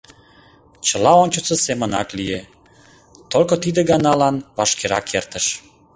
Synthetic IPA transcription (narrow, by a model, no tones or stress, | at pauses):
t͡ɕəlɑonʲt͡ɕət͡sesemənɑ̰klije | t̪olkot̪id̪eɡɑnɑlɑnβɑʃkeɾɑ̰kʰert̪əʃ